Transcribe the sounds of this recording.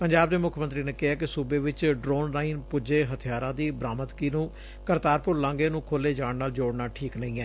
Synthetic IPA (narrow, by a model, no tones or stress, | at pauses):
pəɲd͡ʒaːb̚d̪eːmʊkʰmənt̪ɾiːneːkɪɦaːkɪsuːbeːʋɪt͡ʃɖɾoːnɾaːiːnpʊd͡ʒeːɦət̪ʰɪjaːɾãːd̪iːbɾaːmət̪kiːnũː | kəɾt̪aːɾpʊɾlãːɡeːnũːkʰoːleːd͡ʒãːɳnaːld͡ʒoːɽnaːʈʰiːknəĩːɛː